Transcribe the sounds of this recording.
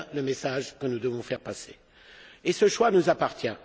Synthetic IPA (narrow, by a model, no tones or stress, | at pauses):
ləmesaʒkənud̪əvɔ̃fɛʁpase | esəʃwanuzapaʁt̪jɛ̃